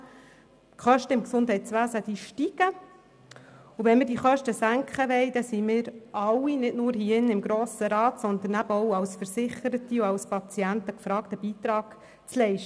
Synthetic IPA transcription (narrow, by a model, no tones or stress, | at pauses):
kχœʃtəɪmksʊndɦɛɪt̪t͡sʋæːsəd̥̪iʃtiɡ̥ə | uʋɛnmɪːɾdiːχœʃtəsæŋkχəʋɛɪd̥̪ɛsimɪːɾɑwːinɪtnʊːɾhiːɪnːɪmɡɾoːsəɾɑːt̪sɔnd̪ənæbəɔwɑwsfəɾsɪχəɾətiʊɑwspɑt͡siænt̪əkfɾɑːktəbiːt̪ɾɑːɡ̥ | t͡slɛɪʃt